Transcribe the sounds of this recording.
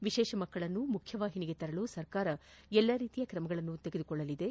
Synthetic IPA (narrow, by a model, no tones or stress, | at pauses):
ʋiʃɛːʃɐmɐkːɐɭɐnːumukʰjɐʋaːɦiniɡe̞t̪ɐɾɐɭusɐɾkaːɾɐɛlːɐɾiːt̪ijɐkɾɐmɐɡɐɭɐnːut̪eɡe̞d̪ukɔɭːɐlid̪e̞